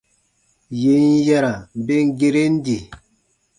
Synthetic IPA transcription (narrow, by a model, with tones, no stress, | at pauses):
je˨n̩˦jɛ˦ɾa˨m̩˨be˦ŋ̩˦ɡe˦ɾe˦n̩˦di˨